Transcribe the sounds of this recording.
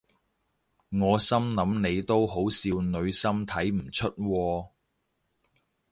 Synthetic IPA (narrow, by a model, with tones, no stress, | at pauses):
ŋɔː˨˧sɐ˥mnɐ˨˥mne˨˧jt̪o˥who˨˥wsiː˧wnɵ˨˧ɥsɐ˥mt̪ʰɐ˨˥jm̩˨˩t͡ʃʰɵ˥t̚wɔː˧